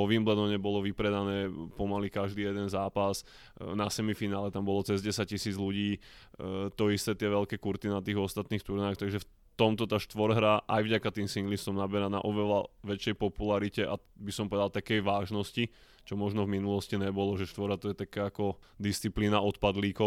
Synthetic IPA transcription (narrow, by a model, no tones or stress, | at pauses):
ɔʋimblɛd̪ɔɲɛbɔlɔʋipɾɛd̪anɛːpɔmalikaʒd̪iːjɛd̪ɛnzaːpas | nasɛmifinaːlɛt̪ambɔlɔt͡sɛzɟɛsac̚cisiːd͡zluɟiː | t̪ɔist̪ɛt̪ɪɛʋɛlkɛːkuɾt̪inat̪iːɣɔst̪at̪niːxt̪uɾnaːxt̪aɡʒɛf | t̪ɔmt̪ɔt̪aːʃt̪ʋɔɾɦɾaʔajvɟakat̪iːmsiŋɡlist̪ɔmnabɛɾana̰ʔɔʋɛlaʋɛt͡ʃjɛjpɔpulaɾicɛʔa̰bisɔmpɔʋɛd̪alˠt̪akɛjʋaːʒnɔsci | t͡ʃɔmɔʒnɔvminulɔsciɲɛbɔlɔʒɛʃt̪ʋɔɾat̪ɔjɛt̪akaːkɔd̪ist͡sipliːnaɔt̪pad̪liːkɔ